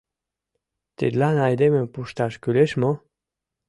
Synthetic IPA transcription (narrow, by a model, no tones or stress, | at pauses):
t̪ḛd̪lanajd̪emɛ̃puʃt̪aʃkyleʃmɔ